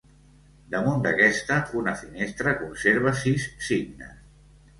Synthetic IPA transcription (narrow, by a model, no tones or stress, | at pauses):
d̪əmund̪əkɛst̪əunəfinest̪ɾəkunseɾβ̞asisːiɡnə̰s